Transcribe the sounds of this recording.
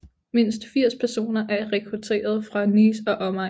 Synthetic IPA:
me̝n̰sd̥fiɐ̰spʰæɐso̝̰ːnɐʔæɐʁɛkʰʁut͡sʰe̝̰ːɐð̞ˠfʁɑ̈nisɒ̽ʔɒ̽mɑ

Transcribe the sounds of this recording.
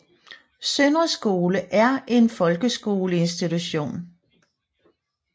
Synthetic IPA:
sønʁəsɡ̥o̝ːləʔæɐʔe̝nfɒ̽lɡ̥əsɡ̥o̝ːləe̝nsd̥it͡sʰuɕo̝̰ːn

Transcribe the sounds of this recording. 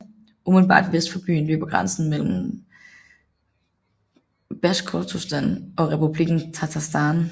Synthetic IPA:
umedl̩bɑ̰̈ːd̥ʋesd̥fɒ̽b̥y̰ːn̩ly̰ːb̥ɐɡ̥ʁansn̩mel̰m̩ | b̥æskʰot͡sʰusd̥ænɒ̽ʁɛpub̥liɡ̥n̩t͡sʰæt͡sʰɑsd̥ɑn

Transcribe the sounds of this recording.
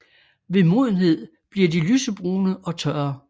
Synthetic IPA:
ʋe̝mo̝ðˠn̩ɦe̝ð̞̰ˠ | b̥liɐdilysəb̥ʁuːnəʔɒ̽t͡sʰɶɐ

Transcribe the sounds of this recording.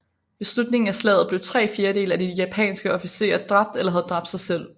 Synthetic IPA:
be̝slud̥ne̝ŋ̩æslɛ̰ːð̩ˠb̥leʊt͡sʰʁɛ̰ːfe̝ːɐɾe̝̰ːlæd̥ijæpʰɛ̰ːnsɡ̥əɒ̽fise̝̰ːɐd̥ʁɑ̈b̥̚d̥elɐɦæð̞̩ˠd̥ʁɑ̈b̥d̥sɑ̈ɪsel̰

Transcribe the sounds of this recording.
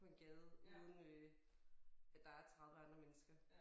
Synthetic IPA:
pʰɒ̽e̝nɡ̥ɛːðˠuːðˠən̩ø | æd̥ɑ̈æɐt͡sʰʁaðˠʋəɑ̈nd̥ʁɐmenəsɡ̥ɐ

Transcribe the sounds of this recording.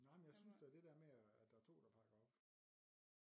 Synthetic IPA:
nɑ̈ɪ̰mnjɑ̈ɪsynsd̥eæɐd̥e̝d̥eæɐmeæd̥ɑ̈æɐt͡sʰo̝̰ːd̥ɑ̈pʰɑ̈ɡ̥ɐɒb̥

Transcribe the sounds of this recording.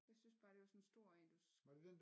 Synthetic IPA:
jasynsb̥ɑ̈ːd̥e̝ʋɑ̈sɔnsd̥o̝ɐ̰ænd̥usʋɑd̥ud̥end

